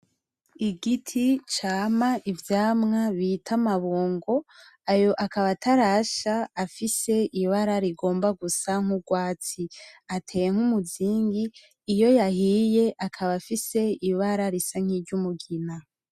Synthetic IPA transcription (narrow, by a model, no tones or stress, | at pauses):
iɡitʰit͡ʃaːmaʔivjaːmŋaβitʰamaβoːŋɡo̞ | ajo̞ʔakaβatʰaɾaʃaafise̞iβaɾaɾiɡo̞ːmbaɡusaŋ̥uɡwaːt͡siatʰe̞ːje̞ŋ̥humuziːŋɡiː | jo̞jahije̞ʔakʰaβafise̞iβaɾaɾisaŋ̥iːɾɟumuɡina